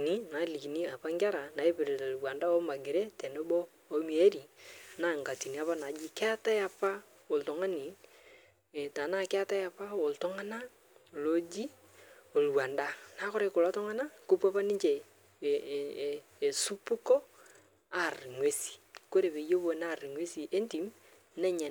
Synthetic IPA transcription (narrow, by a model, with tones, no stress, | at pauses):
ni˦na˨li˨ki˨ni˦a˨pa˦ŋɡʲa˦ɾa˨na˨e˦pɪ˨ɾe˨ta˨lwa˨nda˦ɔ˦ma˨ɡɪ˨ɾe˦tɛ˨no˦bɔː˦ | mi˨e˦ɾi˨na˨˦ŋɡa˨ti˨ni˨˦a˦pa˦na˨d͡ʒi˦kɛ˦a˦ta˦ja˨pa˦ | o˨ltɔ˨ŋa˦ni˨ | ta˨na˦kɛ˦a˦ta˦ja˨pa˦wo˨ltɔ˦ŋa˦na˦˨ | lo˦d͡ʒi˦ | o˨lwa˨nda˦na˨˦kɔ˦ɾe˦˨ko˨la˦tɔ˦ŋa˦na˦ko˦pa˦pa˦ni˦ɲt͡ʃe˨ | e˨su˦pu˦kɔ˦ | a˨rŋwe˦si̥˨ko˦ɾe˨be˨˦jo˦bo˨na˦˨rŋwe˦si˨e˦nti˨m | nɛ˦ɲa˨